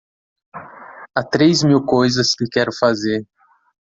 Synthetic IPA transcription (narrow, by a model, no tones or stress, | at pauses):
at̪ɾejzmiwkojzɐskɪkɛɾʊfazeɾ